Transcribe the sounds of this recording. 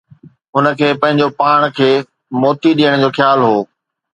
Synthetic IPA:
ɦʊnə̆kʰeːpɐ̃ɦɪ̃ɲd͡ʑopaːɽ̃kʰeː | mɔːt̪iɗiːəɽ̃d͡ʑoːxjaːlɦoː

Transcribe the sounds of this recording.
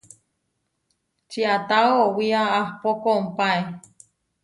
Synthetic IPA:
t͡ʃiat̪aoowiaahpokoumpae

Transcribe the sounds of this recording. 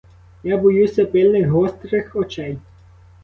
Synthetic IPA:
jabɔjusʲɐpɪlʲnɪxɦɔst̪ɾɪxɔt͡ʃɛj

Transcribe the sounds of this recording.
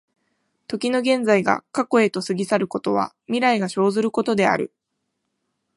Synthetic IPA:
t̪o̞kʲino̞ɡẽ̞nd͡zaiɡa̰kako̞e̞t̪o̞sɨɡʲisaɾɯ̟ko̞t̪o̞β̞a̰ | mʲiɾaiɡaɕo̞ːzɨɾɯ̟ko̞t̪o̞d̪e̞a̰ɾɯ̟̰

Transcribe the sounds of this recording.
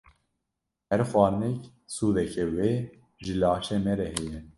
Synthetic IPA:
hɛɾxwɑːɾnɛk | suːðɛkʰɛweː | ʒɨlɑːʃeːmɛɾɛhɛjɛ

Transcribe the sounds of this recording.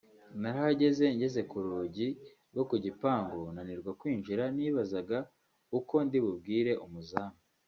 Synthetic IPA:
naɾaaɟe̞ze̞ɲɟe̞ze̞kuɾuːɟi | ɡo̞kuɟipaːŋɡonaniɾɡwakwiːnʒiɾaniːβazaɡa | uko̞ndiβub̚ɡiːɾe̞ʔumuzaːma

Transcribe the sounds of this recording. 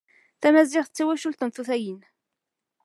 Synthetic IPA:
θæmæziʁθət͡sːæwæʃulθənθuθæjin

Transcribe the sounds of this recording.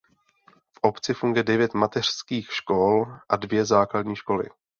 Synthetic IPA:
fʔopt͡sɪfuŋɡʊjɛdɛvjɛt̪mat̪ɛr̝̥skiːxʃkolʔadvjɛzaːkladɲiːʃko̞lɪ̰

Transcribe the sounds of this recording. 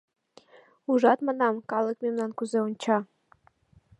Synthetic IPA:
uʒɑt̪mɑnɑmkɑlˠəkmemnɑnkuzeonʲt͡ɕɑ

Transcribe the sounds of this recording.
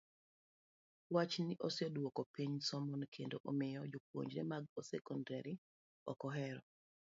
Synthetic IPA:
wat͡ʃnɪʔosɔdwokɔpiɲsɔmɔnkʰendoʔomɪjɔd͡ʒop̚wo̰ɲd͡ʒɾɛ̰maɡosɛ̰kɔndaɾi | ɔ̰kɔɦɛɾɔ

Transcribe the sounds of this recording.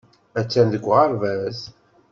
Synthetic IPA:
æt͡sːænðəɡʷːʁəɾvæz

